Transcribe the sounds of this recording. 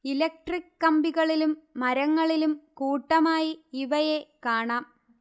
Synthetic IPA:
ilek̚ʈrikːɐmbiɣɐɭilumːɐɾɐŋːɐɭilumkuːʈːɐmaːjiiʋɐjekaːɳaːm

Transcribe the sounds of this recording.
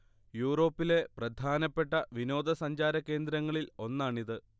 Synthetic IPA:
juːro̞ːpːile̞prɐd̪ʱaːnɐpːe̞ʈːɐʋino̞ːd̪ʱɐsɐɲd͡ʑaːɾɐkːe̞ːnd̪ɾɐŋːɐɭilo̞nːaːɳiðɨ

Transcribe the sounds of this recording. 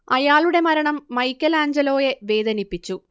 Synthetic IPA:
ɐjaːɭuɽe̞mɐɾɐɳɐmːɐjkʲːɐlaːɲd͡ʑɐlo̞ːje̞ʋe̞ːd̪ʱɐnipːit͡ɕːu

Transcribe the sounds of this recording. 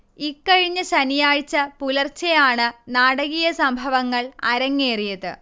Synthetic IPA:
ikːɐɻiɲːɐɕɐnijaːɻt͡ɕːɐpulɐrt͡ɕːejaːɳɨnaːɽɐɣijɐsɐmbʱɐʋɐŋːɐɭɐɾɐŋːeːrijɐðɨ̰

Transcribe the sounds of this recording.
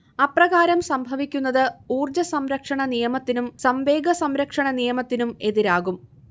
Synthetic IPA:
ɐprɐɣaːɾɐmsɐmbʱɐʋikʲːunːɐðɨuːrd͡ʑɐsɐmɾɐkʂɐɳɐnijɐmɐt̪ːinumsɐmʋe̞ːɡɐsɐmɾɐkʂɐɳɐnijɐmɐt̪ːinume̞ðiɾaːɣum

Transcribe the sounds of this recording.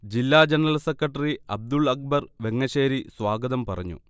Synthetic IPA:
d͡ʑilːaːd͡ʑenɐrɐlsekːɐʈːɐriɐb̚d̪uɭɐk̚bɐrʋe̞ŋːɐɕeːɾisʋaːɡɐðɐmpɐrɐɲːṵ

